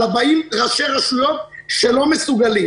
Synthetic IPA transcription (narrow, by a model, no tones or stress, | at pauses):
abaimʁaʃeʁaʃujo̞t̪̚ʃelo̞mesuɡali